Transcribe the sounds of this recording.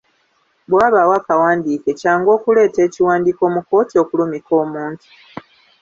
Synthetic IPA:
bwaːβawaːkawaːndiːke̞caːŋɡo̞ːkule̞ːte̞ːciwaːndiko̞ːmuko̞ːtio̞kulumiko̞ːmuːntu̥

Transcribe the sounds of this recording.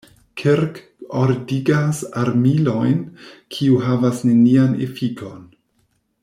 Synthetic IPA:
kʰeɾk | oɾdiɡasaɾmilojnkʰiuɦavasnenianḛfikʰo̞n

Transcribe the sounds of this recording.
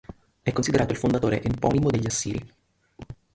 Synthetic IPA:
ɛkːonsid̪eɾaːt̪oilfond̪at̪oːɾḛʔempɔːnimod̪eʎːiasːiːɾḭ

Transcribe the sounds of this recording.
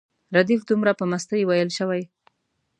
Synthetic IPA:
ɾad̪ifd̪umɾapəmast̪əjwajəlʃəwaj

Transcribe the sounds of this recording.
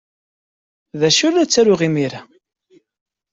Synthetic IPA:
ðæʃulæt͡sːæɾʊʁimiɾa

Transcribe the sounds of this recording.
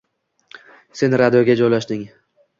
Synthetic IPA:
se̞nɾad̪ijoɡʲad͡ʒɒjlaʃd̪ɪŋ

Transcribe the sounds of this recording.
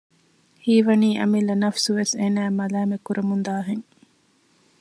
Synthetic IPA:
hiːʋɐniːʔɐ̰milːɐnɐfsuʋeseːnæːmɐlæːmekuɾʔemund̪aːɦeŋ

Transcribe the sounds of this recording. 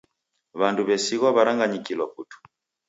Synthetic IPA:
βanduβɛsiɣwaβaɾaŋɡaɲikilɔputu̥

